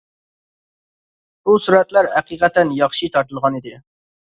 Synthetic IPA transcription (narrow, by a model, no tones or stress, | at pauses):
busuɾɛt̪læɾæqiqɛt̪ɛnjɑχʃit̪ʰɑɾt̪ɨlˠʁɑnɨd̪ɪ